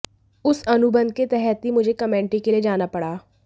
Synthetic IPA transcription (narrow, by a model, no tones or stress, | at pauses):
ʊsɐnʊbə̃nd̪̚ket̪ɛɦɛt̪ɦimʊd͡ʒʱekɐmɛ̃ːɳʈikelied͡ʒaːnapɐɽaː